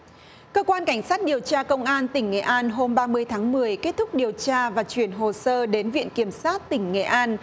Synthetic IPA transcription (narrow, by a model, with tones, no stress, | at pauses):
kəː˧kwaː˧nka˧˩jŋ̟saː˦˥t̚ɗi˨˩əwt͡ɕaː˧kə˧wŋ͡mʔaː˧nt̪ï˧˩ŋ̟ːḛ˧˨˩ʔaː˧nɦo˧mɓaː˧mɨ˧əjt̪ʰaː˨˦ŋmɨ˨˩əjke˦˥t̚t̪ʰʊ˦˥k͡p̚ɗi˨˩əwt͡ɕaː˧vaː˨˩t͡ɕwi˧˩ənɦo˨˩səː˧ɗe˨˦nvḭ˧˨ənki˧˩əmsaː˦˥t̚t̪ï˧˩ŋ̟ŋḛ˧˨˩ʔaː˧n